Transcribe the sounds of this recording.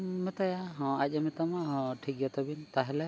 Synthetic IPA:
mɛt̪ajaɦɔ̃aʄamɛt̪amaɦɔ̃ʈʰikjat̪ɔbint̪aɦɛlɛ

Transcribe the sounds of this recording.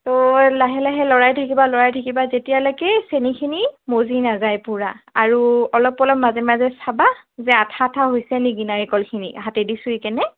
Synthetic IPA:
tɔlaɦɛlaɦɛlɔɹajtʰakibalɔɹajtʰakibazetijalɔjkɛsenikʰinimozinazajpuɹaaɹuɔlɔpːɔlɔp̚mazɛmazɛsabazɛatʰatʰaɦojsɛniɡinaɹikɔlkʰinḭɦatɛdisʊikɛnɛ

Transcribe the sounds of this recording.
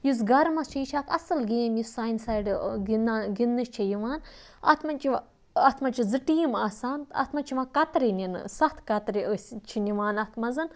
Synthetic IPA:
jus̬ɡɐɾmɐst͡ʃʰijiʃʰaːkɐ̰sɨlɡeːmjusːaːjnsɐːjɖɡinɡinːɨʃt͡ʃʰijiʋaːn | ɐ̰t̪ʰmɐnt͡ʃʰi | ɐt̪ʰmɐt͡ʃʰizɨʈiːmaːsaːnt̪ɐ̰t̪ʰmɐt͡ʃʰiʋɐkɐt̪ɾinʲinsɐt̪ʰkɐt̪ɾiəsʲt͡ʃʰiniʋaːnɐt̪ʰmɐzɨn

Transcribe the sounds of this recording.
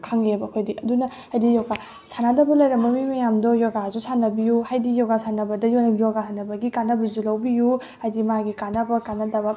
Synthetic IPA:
kʰaŋlebɐkʰojdiʔɐdunɐ | hajdijɔɡa | sanadɐbɐlɐjɾɐmbɐmimɐjamdɔjɔɡazusanɐbijuhajdijɔɡasanɐbɐdɐjonɐɡijoɡaɦanɐbɐɡikanɐbɐzulɐwbiju | hajdimaɡikanɐbɐkanɐdɐbɐ

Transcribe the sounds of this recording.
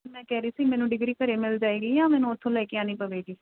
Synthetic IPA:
mɛ̃ːkɛːɾiːsiːmɛ̃ːnũːɖɪɡɾiːkəɾeːmɪld͡ʒaːeːɡiːjãːmɛ̃ːnũːot̪ʰːõːlɛːkɪjãːnĩːpəʋeːɡiː

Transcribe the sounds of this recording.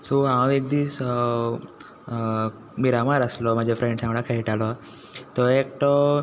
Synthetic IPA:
soãʋek̚d̪iːs | miɾamaɾəslɔm̤ad͡ʑʱefɾẽɳɖsãŋɡɽakʰaiʈalɔ | t̪ɔek̚ʈɔ

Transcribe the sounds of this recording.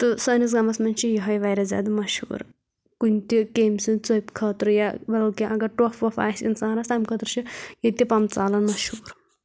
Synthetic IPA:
t̪ɨsɐːnis̬ɡɐmɐsmɐnʲt͡ʃʰijiɦɐjʋɐjɾɐzʲa̰ːd̪ɐmɐʃhṵːɾ | kunʲt̪ikeːmsɨnt͡sopʲkʰɐːt̪ɾɨjabɐlɐkʲiʔɐɡɐʈofʋɐfa̰ːsinsaːnɾɐst̪ɐmkʰɐt̪ɾut͡ʃʰijɐt̪ʲipɐmt͡saːlɐnmɐʃhuːɾ

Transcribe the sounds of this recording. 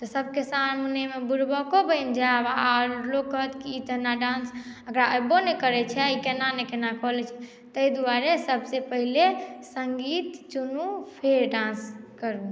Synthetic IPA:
t̪ɔsəbʱkesanmunemebuɾbɔkobəɪnd͡ʒabaaɾlokːəɦət̪kiːt̪ənaɖãnsəkɾaʔəbonekəɾɛt͡ʃʰɛikenanekenakɔɦlɛt͡ʃʰɛ̥ | t̪əid̪uaɾesəbʱsepəɦilesəŋɡit̪t͡ʃunupʰeɾɖãnskəɾu

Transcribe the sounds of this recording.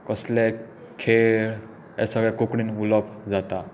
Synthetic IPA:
kəslɛ | kʰeɭ | ɛsəɡɭɛkukɽinulɔpd͡zat̪a

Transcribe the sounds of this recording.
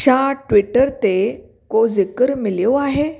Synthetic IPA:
ɕaʈʋiʈəɾt̪e | kod͡zekəɾmiljoaɦe

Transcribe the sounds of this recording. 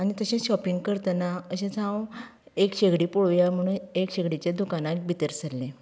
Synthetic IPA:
anit̪əɕẽɕɔpiŋɡkəɾt̪ənaəɕẽd͡zʰʱãw | ekɕeɡɽipoɭʋjam̤əɽ̃uːnekɕeɡɽit͡ɕad̪ukanak̪bʱit̪əɾsəlːẽ

